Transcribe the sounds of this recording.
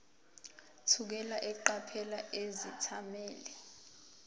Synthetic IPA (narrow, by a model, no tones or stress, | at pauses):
tʰuk̬ɛlaʔɛǃapʰɛlaʔezitʰamɛːlɛ